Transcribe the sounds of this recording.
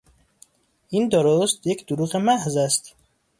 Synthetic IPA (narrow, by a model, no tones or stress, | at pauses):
ʔind̪oɾost̪je̞cʰd̪oɾuːɣemæhzæst̪